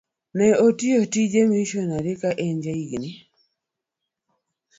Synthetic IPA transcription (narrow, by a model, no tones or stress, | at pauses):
nɛotiotid͡ʒemiʃonaɾɪkaʔɛɲd͡ʒaiɡni